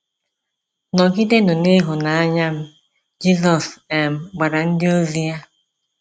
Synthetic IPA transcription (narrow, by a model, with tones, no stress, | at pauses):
nɔ˨ɡi˦de˦nʊ˨ne˦ɦʊ˨na˨a˦ɲa˦m̩˦ | d͡ʒi˦zɔ˨se˨m̩˨ɡ͡ba˨ɾa˨n̩˦dɪ˦o˦zi˦ja˦